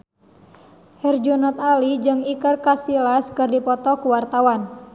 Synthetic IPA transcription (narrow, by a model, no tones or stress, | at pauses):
hɛrd͡ʒunɔt̪alid͡ʒɨŋikərkasilaskɨrdipɔt̪ɔkuwart̪awan